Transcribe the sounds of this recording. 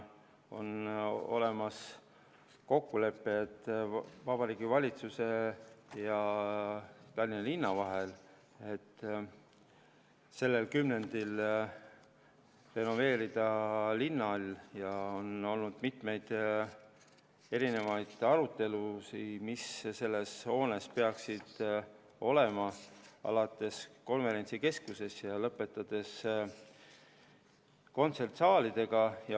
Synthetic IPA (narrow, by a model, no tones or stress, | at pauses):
o̞̰no̞̰le̞mɑs | ko̞kːule̞pːet̪ːˑvɑb̥ɑɾiːɡ̥ivɑlʲit̪suse̞jɑ | t̪ɑlʲːinɑlinːɑvɑɦe̞l | e̞t̪ː | se̞lːe̞lkymne̞nd̪̥il | re̞no̞ve̞ːɾid̪̥ɑlinːɑlʲːjɑo̞no̞lnud̪̥mit̪me̞jd̪̥ | e̞ɾine̞vɑjd̪̥ɑɾut̪ːe̞lusimisse̞lːe̞sho̞ːne̞spe̞ɑksid̪̥ | o̞le̞mɑɑ̰lɑt̪ːˑe̞sko̞nve̞ɾent̪sike̞skuse̞sjɑlɤpːˑe̞t̪ːˑɑd̪̥e̞s | ko̞nt̪se̞rt̪sɑːlid̪̥e̞ɡ̥ɑjɑ